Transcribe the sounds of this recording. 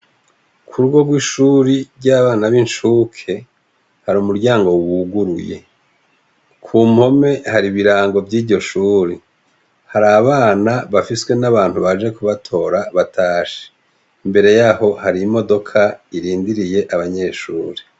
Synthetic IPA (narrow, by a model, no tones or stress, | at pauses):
kʰuɾuɡo̞ɡɡwiʃuːɾiɾɟaβaːnaβinʃuːkʰe̞ | haɾuːmuɾɟaːŋɡo̞wuɡuɾuje̞̰ | kʰuːmho̞me̞haɾiβiɾaːŋɡo̞vɟiːɾɟo̞ʃuːɾi | haɾaβaːnaβafiswe̞naβaːn̥huβaʒe̞kuβatʰo̞ːɾaβatʰaːʃe̥ | imbe̞ɾe̞jaho̞haɾimo̞do̞kʰaiɾiːndiɾije̞ʔaβaɲe̞ʃuːɾi